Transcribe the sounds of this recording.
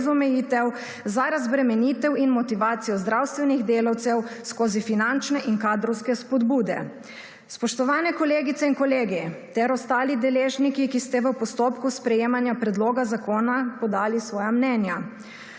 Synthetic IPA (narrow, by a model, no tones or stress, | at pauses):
zɔmɛjiːt̪ɛw | zaɾazbɾɛmɛniːt̪ɛwinmɔt̪iʋaːt̪sijɔzd̪ɾawst̪ʋɛniɣd̪eːlawt̪sɛwskoːzifinant͡ʃnɛʔiŋkaːd̪ɾɔwskɛspɔd̪buːd̪ɛ̰ | spɔʃt̪ɔʋaːnɛkɔleːɡit̪sɛinkɔleːɡit̪ɛɾɔst̪aːlid̪ɛleːʒnikikist̪ɛʋəpɔst̪oːpkuspɾɛjeːmanjapɾɛd̪loːɡazakoːnapɔd̪aːlisʋɔːjamnɛːnja